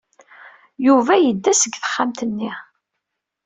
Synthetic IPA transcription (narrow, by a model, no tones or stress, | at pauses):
juvæjəd̪ːæsəɡθə̥χːamt̪ənːi